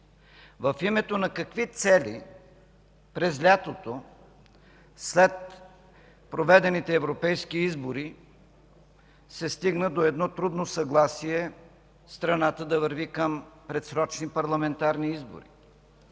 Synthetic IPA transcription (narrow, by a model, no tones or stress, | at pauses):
vɐfimɛt̪onɐkɐkvit̪sɛlḭ | pɾɛzlʲat̪ot̪o | slɛt̪̚ | pɾovɛd̪ɛnit̪ɛːvɾopɛjskiizboɾi | sɛst̪iɡnəd̪oɛd̪nɔt̪ɾud̪nosɐɡlˠasiɛ | st̪ɾɐnat̪əd̪ɐvəɾvikəmpɾɛt̪sɾɔt͡ʃnipɐɾlˠɐmɛnt̪aɾniizbo̰ɾḭ